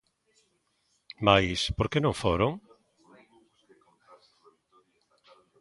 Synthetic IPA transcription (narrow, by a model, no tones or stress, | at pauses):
majspoɾkenõŋfoɾoŋ